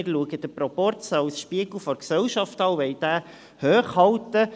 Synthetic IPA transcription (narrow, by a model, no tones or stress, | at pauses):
ɪɾluəɡəd̪əpɾɔpɔrtt͡sɑwsʃpiəɡ̥l̩fɔɾksɛwʃɑftɑwʋɛjd̥̪æː | høːχhɑwt̪ə